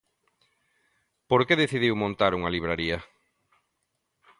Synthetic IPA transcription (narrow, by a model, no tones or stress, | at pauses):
poɾkeðeθiðiwmõnt̪aɾuŋaliβ̞ɾaɾiɐ